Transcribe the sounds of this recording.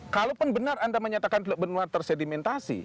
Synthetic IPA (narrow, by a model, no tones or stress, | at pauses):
kalopʊnbənarandaməɲat̪akant̪ələbənuart̪ərsɛdimɛnt̪asḭ